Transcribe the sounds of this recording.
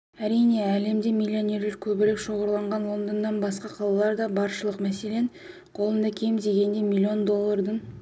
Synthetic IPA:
æɾijne̞æle̞md̪e̞mʲilʲːio̞nʲe̞rlɪk̚ʲkʲʰɵbɪɾekʃo̞ʁəɾlˠɑɴʁɑnwo̞nd̪ənːɑnbɑsqɑqʰɑlˠɑlˠɑɾd̪ɑbɑɾʃəlˠəqmæse̞le̞ɴ | qʰo̞lˠənd̪ɑkʲʰe̞mzeɡʲe̞nd̪e̞milʲːio̞nd̪o̞lˠːɑɾd̪əɴ

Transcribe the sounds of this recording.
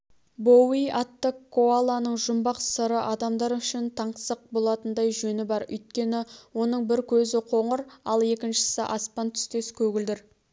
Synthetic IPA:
bowijɑt̪ːəkʰːoalˠanəɴʒʊmbɑqsəɾəʔɑd̪ɑmd̪ɑɾʏʃɪnt̪ʰɑɴqsəq̚bo̞lˠɑt̪ənd̪ɑjʒɵnɪbɑɾʏ̰jt̪̚kʲe̞nɪwo̞nəɴbɪɾkʲʰɵzɪqʰo̞ɴəɾɑ̰lˠe̞kʲɪnʃɪ̥sɪʔɑspɑnt̪ʰʏ̥st̪e̞skʲʰɵɡʲɪld̪ɪɾ

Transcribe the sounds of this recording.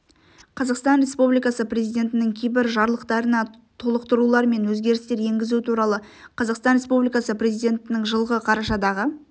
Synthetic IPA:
qʰɑzɑqst̪ɑnrʲe̞spublijkɑsəpre̞zijdʲe̞nt̪ɪnɪŋkʲʰejbɪɾʒɑɾlˠəqt̪ɑɾənɑ | t̪ʰo̞lˠəqt̪əɾulˠɑɾme̞nwɵzɡʲe̞ɾɪst̪e̞ɾje̞ŋɡʲɪzut̪ʰuɾɑlˠə | qʰɑzɑqst̪ɑnɾʲe̞spublijkɑsəpre̞zijd̪ʲe̞nt̪ɪnɪŋʒəlˠʁəqʰɑɾɑʃɑd̪ɑʁə

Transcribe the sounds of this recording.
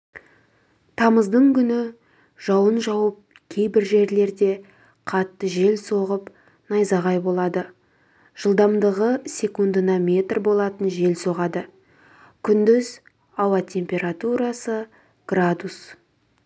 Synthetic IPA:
t̪ʰɑməzd̪əɴkʲʰʏnɪ | ʒ̥ɑwənʒɑwəp̚ | kʲʰe̞jbɪɾʒe̞ɾle̞ɾd̪e̞ | qʰɑt̪ːəʒe̞lso̞ʁəp | nɑjzɑʁɑjbo̞lˠɑd̪ə | ʒ̥əlˠd̪ɑmd̪əʁəsʲe̞kund̪ənɑmʲe̞t̪rbo̞lˠɑt̪ənʒe̞lso̞ʁɑd̪ə | kʲʰʏnd̪ʏz | ɑwɑt̪ʲʰe̞mpʲe̞ɾat̪uɾɑsə | ɡ̥rad̪us

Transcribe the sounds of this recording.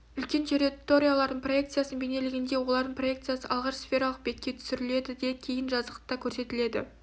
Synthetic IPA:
ʏlkʲe̞nt̪ʰeɾʲit̪ːo̞ɾʲijalˠɑɾd̪əɴpro̞je̞k̚t̪sɨjasənbe̞ne̞lɪɡʲɪnd̪e̞wolˠɑɾd̪əɴpro̞je̞kt̪sɨjasəʔɑlˠʁɑʃsfʲe̞ɾɑlˠəq̚bet̪̚kʲːe̞t̪ʰʏ̥sɪɾɪle̞d̪ɪd̪ekʲʰe̞jɪnʒɑzəqət̪ɑkʲʰɵɾse̞t̪ɪle̞d̪ɪ̰

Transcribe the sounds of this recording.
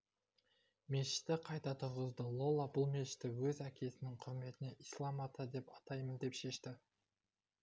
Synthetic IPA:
me̞ʃɪ̥t̪ːɪqʰɑjt̪ɑt̪ʰʊɾʁəzd̪əlˠo̞lˠabʊlˠme̞ʃɪ̥t̪ːɪwɵzækʲʰe̞sɪnɪŋqʰʊɾme̞t̪ɪne̞ʔislˠɑmɑt̪ɑd̪e̞pɑt̪ɑjmənd̪e̞pʃe̞ʃt̪ɪ

